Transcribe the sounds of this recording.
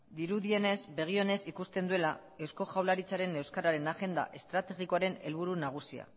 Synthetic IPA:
d̪iɾuðie̞ne̞zbe̞ɣ̞io̞ne̞sikust̪end̪ue̞lae̞wsko̞ʝawlaɾit͡saɾe̞ne̞wskaɾaɾe̞naɣe̞nd̪a̰ʔe̞st̪ɾat̪e̞ɣikoaɾe̞ne̞lβ̞uɾunaɣ̞usia̰

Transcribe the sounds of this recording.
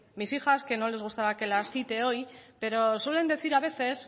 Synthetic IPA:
misixaske̞no̞le̞zɣust̪aɾake̞lasθit̪e̞o̞jpe̞ɾo̞swe̞le̞nd̪e̞θiɾaβ̞e̞θe̞s

